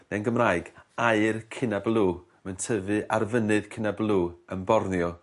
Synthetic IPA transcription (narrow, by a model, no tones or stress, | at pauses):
nɛnɡəmrajɡaɨrkʰɪnablˠuː | məntʰəvɨʔarvənɨð̥kʰɪnablˠuːənbɔrnjɔ